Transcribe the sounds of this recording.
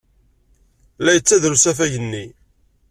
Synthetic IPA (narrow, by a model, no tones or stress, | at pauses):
læjət͡sːæðɾusæfæʝənːi